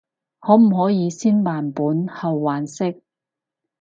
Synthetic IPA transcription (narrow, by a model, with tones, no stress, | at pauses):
hɔː˨˥m̩˨˩ɦɔː˨˥jiː˨˧siː˥nmaː˨˩npuː˨˥nhɐ˨wːaː˨˥nsɪ˥k̚